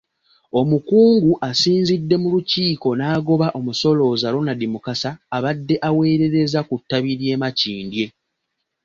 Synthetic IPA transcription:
o̞mukuːŋɡuʔasiːnzidːe̞muluciːko̞naːɡo̞βaʔo̞muso̞lo̞ːzalo̞nadimukasaːβadːe̞ʔawe̞ːɾe̞ɾe̞zakutːaβiɾje̞ːmaciːndje̞

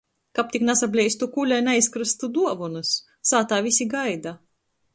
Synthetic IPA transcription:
kap̚t̪ʲiknasablʲɛjst̪ukulʲajnajskɾɨst̪ud̪uɔvunɨs | saːt̪aːvʲisʲiɡajd̪a

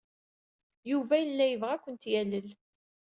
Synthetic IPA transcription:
juvæjəlːæjəvʁækʷːənt̪jæləl

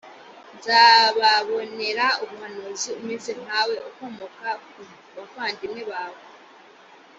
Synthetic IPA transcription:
nzaβaβo̞ne̞ɾauβuhanoziumiːnsihawe̞ʔokomokau | βafaːndineβawo

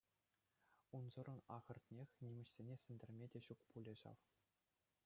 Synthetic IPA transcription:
unzɤ̆rɤ̆nɑʁɤ̆rt̪ʲnʲexʲnʲimʲɘ̆ɕsʲenʲesʲɘ̆nʲdʲɘ̆rʲmʲedʲeɕukpulʲĕʑɑ̰ʋ

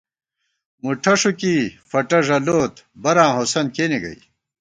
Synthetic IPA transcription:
muʈʰɐʂukifɐʈɐʐɐloːt̪bɐɾãːɦosɐnkeːniɡɐ̰j

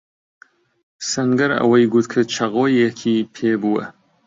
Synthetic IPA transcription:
sɐŋɡɐɾɐ̰wɐjɡut̪kʰɨt͡ʃʰɐɣoːjekʲʰiːpʰeːbuwɐ̰

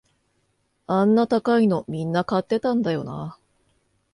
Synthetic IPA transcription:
ãnːat̪akaino̞mʲĩnːakat̪ːe̞t̪ãnd̪ajo̞na̰

